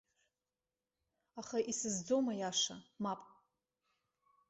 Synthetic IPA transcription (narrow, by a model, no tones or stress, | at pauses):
aχaʔisɨzd͡zo̞majaʂa̰mapʼ